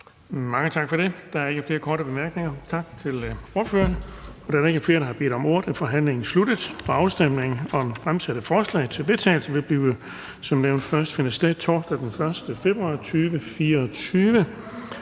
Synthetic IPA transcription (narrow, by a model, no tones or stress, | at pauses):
mɑ̈ŋət͡sʰɑ̈ɡ̥fɒ̽ɾ̥e̝d̥ɑ̈æɐe̝ɡəfle̝ːɐkʰɒːɾəb̥e̝mæɐɡ̥ne̝ŋɐt͡sʰɑ̈ɡ̥̚t͡sʰe̝lo̝ɐ̥fø̰ːɐnɒ̽d̥ɑ̈æɐe̝ɡ̥əfle̝ːɐɾ̥ɑhɑ̈be̝̰ːd̥ɒ̽mo̝̰ːɐd̥æfɒ̽ɦæn̰le̝ŋn̩slud̥əð̩ˠpʰɒɑ̈ʊsd̥em̰ne̝ŋn̩ɒ̽fʁamsæɾ̥əfɒːslɛ̰ɪt͡sʰe̝lʋe̝t͡sʰɛ̰ːɪl̩səʋe̝lb̥liːʊ | sɒ̽mneʊnd̥fɶɐsd̥fenɐsi̥d̥et͡sʰɒːsd̥æd̥enfɶɐsd̥əfe̝b̥ʁuɑ̈ːt͡sʰyːʋəfiːɐɒt͡sʰyːʋə